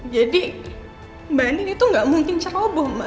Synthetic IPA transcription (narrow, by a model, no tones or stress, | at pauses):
d͡ʒadi | banɪnit̪uŋɡaʔmuŋkɪnt͡ʃaubɔhma